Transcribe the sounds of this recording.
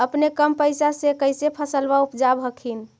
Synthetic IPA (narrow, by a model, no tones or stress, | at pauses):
əpnekəmpəjsasekəɪsepʰəsəlbaupd͡ʒabʱəkʰin